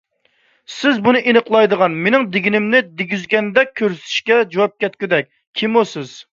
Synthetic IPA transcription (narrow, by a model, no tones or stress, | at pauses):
sɪzbunɨʔinəqlˠɑjd̪əʁɑnmenɪŋd̪ɪɡʲinɪmnɪd̪eɡʲyzɡʲɛnd̪ɛk̚ʲʰːøɾsɪ̥t̪ʰɪ̥ʃkʲɛd͡ʒowɑp̚kʲɛt̪kʲyd̪ɛk̚ʲ | kʲʰimusɪz̥